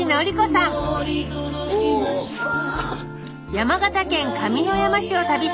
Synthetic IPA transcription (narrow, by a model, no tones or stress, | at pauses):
inaoɾʲikosãŋ | jamaɡat̪akẽ̞ŋkamʲino̞jamaɕio̞t̪abʲi